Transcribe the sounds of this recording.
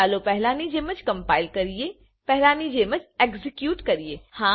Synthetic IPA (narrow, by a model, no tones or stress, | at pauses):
aːlopɛɦlaːnid͡ʒeːmɐt͡ʃkɐ̃mpaːɪlkɐɾije | pɛɦlaːnid͡ʒeːmɐt͡ʃeɡzɪkjuːʈkɐɾijeːhãː